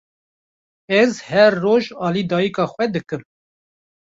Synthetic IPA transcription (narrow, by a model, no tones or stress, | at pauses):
ɛzhɛɾːoːʒɑːliːd̪ɑːjikɑːxʷwɛd̪ɨkɨm